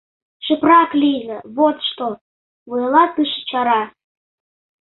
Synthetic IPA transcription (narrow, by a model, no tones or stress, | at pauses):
ʃə̆prɑkliɣə̆βot̪ʃt̪o | βujɤlɑt̪ɨʃə̥t͡ɕɑɾɑ